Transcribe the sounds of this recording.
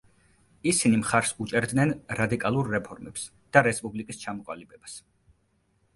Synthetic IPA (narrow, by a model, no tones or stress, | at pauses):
isinimχaɾsut͡ʃʼɛɾd̪nɛnɾad̪ikʼalˠuɾːɛpʰɔɾmɛps | d̪̥aɾɛspʼublikʼist͡ʃʰamɔqʼwa̰libɛbas